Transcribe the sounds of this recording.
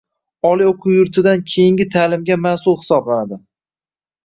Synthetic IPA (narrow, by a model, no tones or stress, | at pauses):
ɒlˠioqʰʊwjʊɾt̪ʰɪd̪ankʲʰejɪŋɡʲɪt̪ʰaːlɪmɡʲamasʊlˠhɪ̥sɒblanad̪ɪ